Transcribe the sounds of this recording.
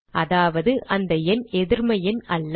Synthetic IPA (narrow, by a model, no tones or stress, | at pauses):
ʔɐðaːʋɐðɯʔɐnd̪ɐɛnɛðɪɾmɐjɪnɐlː